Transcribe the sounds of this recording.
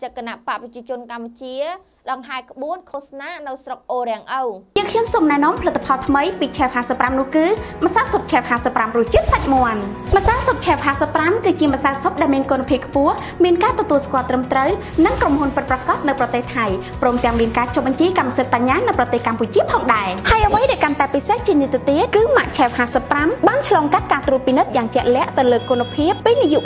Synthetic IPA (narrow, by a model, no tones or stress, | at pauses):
t͡ɕək̚kənaʔpaʔprɑt͡ɕiət͡ɕʊ̆ənkamput͡ɕiə | ɗɑŋɦaɛkə̆ɓuənkʰosnaːnɨwsrok̚ʔoːɾɛ̆əŋʔowjəːəŋkʰɲomsoːmnaɛnŏəmpʰələt̪ːḁpʰɑlt̪ʰməjpiːt͡ɕʰɛːp̚haːsəpːramnʊ̆əhkɨːmə̆sawsop̚t͡ɕʰɛːphaːsəpːramrʊ̆əht͡ɕiət̪̚sac̚moən | mə̆sawsop̚t͡ɕʰɛpɦaːsəpːramkɨːt͡ɕiəmə̆sawsop̚ɗaɛlmiənkonpʰiəp̚kʰpʊəh | miənkaːt̪ɔt̪uəlskŏəlt̪rəmt̪rəw | nɨŋkromhunpɨt̪̚prɑkɑt̪̚nɨwprɑt̪eːht̪ʰaj | prɔːmt̪ɛ̆əŋmiənkaːt͡ɕop̚ɓɑɲt͡ɕiːkamːəsɨt̪̚paɲːaːnɨwprɑt̪eːhkamput͡ɕiəpʰɑːŋɗaɛhaəjʔəʋəjɗaːɛlkant̪aɛpiseht͡ɕiənit̪eət̪iət̪̚kɨːmaʔt͡ɕʰɛwhaːsəpːramɓaːnt͡ɕʰlɑːŋkat̪̚kaːt̪ruət̪̚pinɨt̪̚jaːŋt͡ɕɛ̆əʔlɛ̆əʔt̪ɨwləːkʊnapʰiəp̚piːnijuʔ